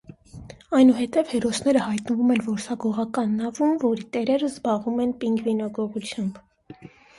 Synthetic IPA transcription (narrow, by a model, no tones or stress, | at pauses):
ɑjnuɦɛt̪ɛv̥hɛɾɔsnɛɾəhɑjt̪nəvumɛnvɔɾsɑɡɔʁɑkɑnːɑvunvɔɾit̪ɛɾɛɾəzbɑʁumɛnpiŋɡvinɑɡɔʁut͡sʰjɑmb